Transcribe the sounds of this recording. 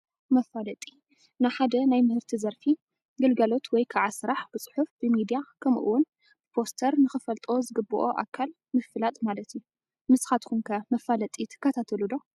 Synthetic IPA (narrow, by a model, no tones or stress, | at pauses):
mɐfːalɐt̪ʼi | naħad̪ɐnajmɨhɨɾt̪ʰizɐɾfi | ɡɐlɡɐlo̞t̪ʰwɔjkʰaʕasɨɾaħb̥ɨt͡sʼɨ̥ħufb̥ɨmid̪ijakʰɐmʔṵwʊn | b̥ɨpʰo̞st̪ʰɐɾnɨxɨfɐlt̪ʼo̞zɨɡɨbːɨʔo̞ʔa̰kʰːal | mɨfɨlat̪ʼmalɐt̪ju | mɨsxat̪kʰunkʰɐmɐfalɐt̪ʼit̪ʰɨ̥kːɐt̪ʰat̪ʰɐlud̪o̞